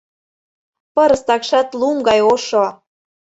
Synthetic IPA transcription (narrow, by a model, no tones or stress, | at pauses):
pɤɾə̆st̪ɑkʃɑt̪luŋɡɑjoʃo